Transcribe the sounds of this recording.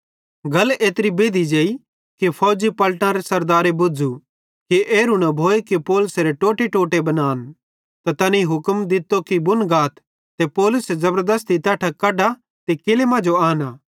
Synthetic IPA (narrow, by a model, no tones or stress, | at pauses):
ɡɐleːt̪ɾibeːd̪id͡ʒeːi | kipʰɔːd͡ʒipɐlʈãɾesɐɾd̪aːɾebʊd͡zu | kiʔeːɾunɐbʱoːekipɔːlʊseɾeʈoːʈeʈoːʈebɐnaːn | t̪at̪ɐnĩɦʊkəmd̪ɪt̪ːokibʊnɡaːt̪ː | epɔːlʊsezɐbəɾd̪əst̪it̪aːʈʰakɐɖa | t̪ekɪlemãd͡ʒoaːnaː